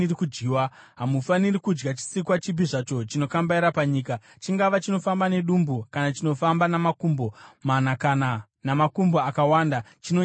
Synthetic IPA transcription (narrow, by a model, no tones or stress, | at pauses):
irikud͡ʒiːwa | ɦamufanirikud͡ʒɡat͡ʃi̥sikwat͡ʃip̬iʐat͡ʃo̞t͡ʃino̞kambaiɾapaɲiːka | t͡ʃiŋɡaʋat͡ʃino̞fambane̞ɗumbukanat͡ʃino̞fambanamakumbo̞manakana | namakumboakawandat͡ʃino